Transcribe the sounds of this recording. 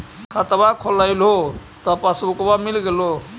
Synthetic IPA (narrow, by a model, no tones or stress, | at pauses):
kʰət̪bakʰolajlɦot̪əpasbukbamilɡelo